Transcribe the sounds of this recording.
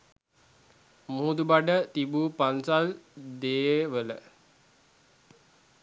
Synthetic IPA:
muud̪ubaɖət̪ibuːpansald̪eːʋələ̰

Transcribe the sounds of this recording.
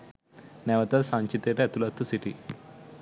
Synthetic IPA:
nɛʋɐt̪ɐlsaɲt͡ʃit̪eʈeɐt̪ulɐt̪ʰːɐsiʈi

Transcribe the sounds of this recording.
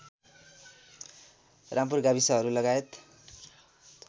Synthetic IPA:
rʔamp̬urɡabisʌɦʌɾulʌɡaet̪

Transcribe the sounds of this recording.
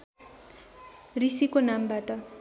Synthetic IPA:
risikonambaʈʌ

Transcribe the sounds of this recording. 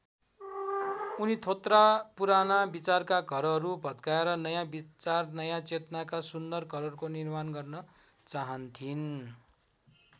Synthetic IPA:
unit̪ʰot̪rapuɾanabit͡sarkaɡʱʌɾʌɾubʱʌd̪kaeɾʌnʌjãbit͡sarnʌjãt͡set̪ʌnakasund̪ʌrɡʱʌɾʌɾukonirmanɡʌrnʌ | t͡saɦʌnt̪ʰin

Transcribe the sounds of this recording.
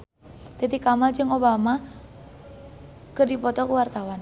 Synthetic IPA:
t̪et̪ikamald͡ʒɨŋobama | kərdipɔt̪ɔkəwart̪awan

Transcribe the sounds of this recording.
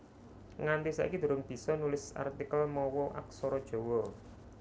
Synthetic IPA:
ŋand̪isa̰ʔḭkid̪̥ṳɾʊŋb̥i̤sɔnulɪsa̰rt̪ikəlmɔwɔʔa̰k̚sɔɾɔd̥ʒ̥o̤wɔ

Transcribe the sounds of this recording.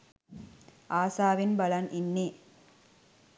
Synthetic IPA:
aːsaːʋinbɐlɐnʔinːeː

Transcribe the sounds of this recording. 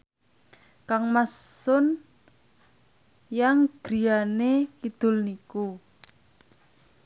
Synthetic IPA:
kaŋmasʊn | jaŋɡ̥ɾi̤anekid̪̥ʊ̤lniku

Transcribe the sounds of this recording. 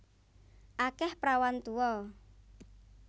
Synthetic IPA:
ʔakɛhpɾawant̪uɔ

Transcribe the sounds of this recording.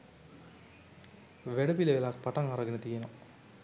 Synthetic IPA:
ʋeɽɐpileʋelak̚paʈɐŋɐɾɐɡenət̪ijeno

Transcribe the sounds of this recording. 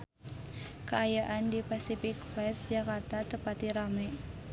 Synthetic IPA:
kəajaʔandipasifɪk̚pɾɛsd͡ʒakart̪at̪əpat̪iɾamɛ

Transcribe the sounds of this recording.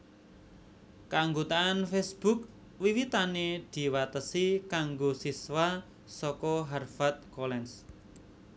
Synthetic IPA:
kaaŋɡut̪aːnfɛsb̥ṳk̚ | wiwit̪aned̪̥i̤wat̪əsikaŋɡosiswa | sɔkɔɦarfat̪̚kolɛns

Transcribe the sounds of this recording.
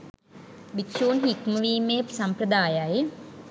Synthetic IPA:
ʋikʃuːnɦikməʋiːmesampɾəd̪aːjaje

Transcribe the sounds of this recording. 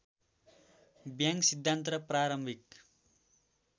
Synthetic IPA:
bjãŋksid̪ʱːant̪rʌpraɾʌmbʱik̚

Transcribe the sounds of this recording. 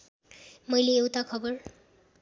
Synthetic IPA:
mʌjleːwt̪akʰʌbʌr

